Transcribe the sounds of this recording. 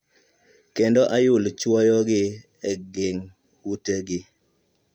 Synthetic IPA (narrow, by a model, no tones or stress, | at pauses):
kendɔʔajʊlt͡ʃwɔjɔɡɪ | ɛɡɪŋ | huteɡɪ